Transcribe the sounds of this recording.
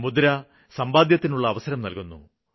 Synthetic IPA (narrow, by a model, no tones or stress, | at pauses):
mud̪ɐɾa | sɐmbaːd̪jɐt̪ːinuɭːɐːʋɐsɐɾɐmnɐlkunːṵ